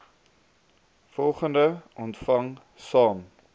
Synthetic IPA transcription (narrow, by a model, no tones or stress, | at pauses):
fɔlˠχəndəʔɔntfɐŋ | sɑːn